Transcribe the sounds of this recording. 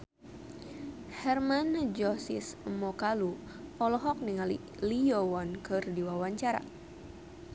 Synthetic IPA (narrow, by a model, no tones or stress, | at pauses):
hɛrmand͡ʒɔsismɔkalu | pɔlɔɦɔk̚niŋalḭ | liɔwɔnkɨrdiwawaɲt͡ʃaɾa̰